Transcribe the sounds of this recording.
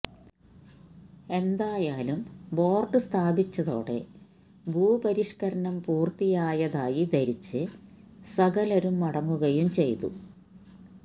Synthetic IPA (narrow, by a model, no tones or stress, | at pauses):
e̞nd̪aːjaːlumbo̞ːrɖɨst̪ʰaːbit͡ɕːɐðo̞̰ːɽe̞̰ | bʱuːbɐɾiʂkɐɾɐɳɐmpuːrt̪ijaːjɐðaːjid̪ɐɾit͡ɕːɨ | sɐɡɐlɐɾumːɐɽɐŋːuɣɐjumt͡ɕe̞jt̪ṵ